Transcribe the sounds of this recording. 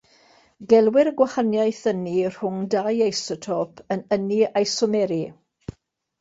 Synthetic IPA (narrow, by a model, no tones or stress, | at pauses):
ɡɛlˠwɪɾəɡwahanjajθənir̥ʊŋdajajsɔtʰɔpʰənəniajsɔmɛɾi